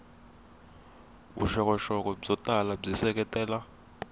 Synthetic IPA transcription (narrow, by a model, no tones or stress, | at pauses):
ṵʃɔkʼɔʃɔk̬ʼɔizɔtʼalazisɛk̬ʼɛtʼɛːla